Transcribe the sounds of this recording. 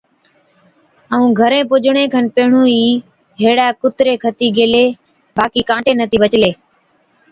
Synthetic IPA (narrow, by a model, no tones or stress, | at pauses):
əũːɡʱəɾẽːpʊd͡ʒɳẽːkʰənpeːɳũːiː | ɦeːɽaːkʊt̪ɾeːkʰət̪iːɡeːleː | baːkiːkãːʈeːnət̪iːʋət͡ʃleː